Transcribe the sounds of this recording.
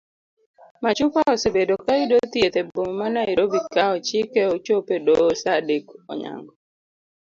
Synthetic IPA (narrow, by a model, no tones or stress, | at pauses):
mat͡ʃupaɔsebedokaidot̪iet̪ebommanaiɾobikaɔt͡ʃikeot͡ʃopedosadikɔ̰ɲa̰ŋɡɔ